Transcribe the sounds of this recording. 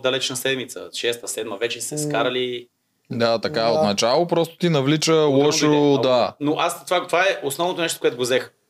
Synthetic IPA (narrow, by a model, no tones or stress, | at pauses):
d̪ɐlɛt͡ʃnɐsɛd̪mit̪sə̰ʃɛst̪əsɛd̪məvɛt͡ʃɛsɛskaɾɐli | d̪at̪ɐkaot̪nɐt͡ʃalˠopɾɔst̪o̥t̪inɐvlit͡ʃəwɔʃod̪anoʔast̪vat̪ovaɛʔosnɔvnot̪onɛʃt̪o̥kʊɛt̪ʊɡʊzɛx